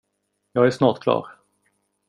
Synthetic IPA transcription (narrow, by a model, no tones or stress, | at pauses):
jɑːɡæʂnɑːʈkʰlɑ̰ːɾ